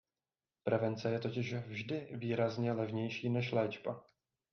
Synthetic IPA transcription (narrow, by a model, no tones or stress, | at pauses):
pɾɛvɛnt͡sɛjɛt̪o̞cɪʃvʒdɪviːɾazɲɛlɛvɲɛjʃiːnɛʃlɛːd͡ʒba̰